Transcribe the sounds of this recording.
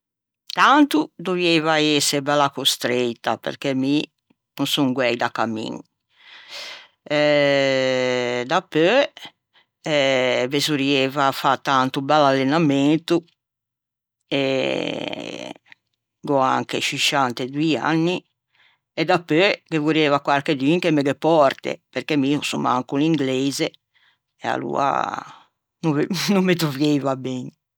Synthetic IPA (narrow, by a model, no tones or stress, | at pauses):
t̪ant̪ud̪ovievaɛsːebɛlakost̪ɾet̪ːa̰pḛɾkɛmi | nusuŋɡwɛjd̪akːamːḭni | ɛ | d̪apːø | ɛvezuɾievafat̪ːant̪ubɛlalːenament̪u | ɛ | ɡɔa̰ŋkɛ̰t͡ʃiʃant̪ɛd̪uia̰nːi | ɛd̪apːøkevuɾiɛːvakwaɾked̪iŋkɛmɛɡɛpːɔɾt̪ɛ̰pɛɾkemiusuma̰ŋkuliŋɡlɛːzɛ | ɛa̰lṵːa̰ | nunumːet̪ɾuvjeivabɛɲ